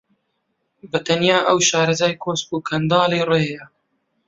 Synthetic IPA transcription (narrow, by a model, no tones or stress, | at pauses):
bɐt̪ɐnjaːʔɐwʃɑːɾɐzaːjkʰoːsbuːkʰɐnd̪ɑːleːreja